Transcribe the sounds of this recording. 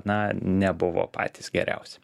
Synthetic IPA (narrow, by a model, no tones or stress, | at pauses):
nɐnʲɛbʊʋo̰ːpʰɑ̰ːt̪ʲisɡʲɛ̰ɾʲɛ̰ʊsʲɛ̥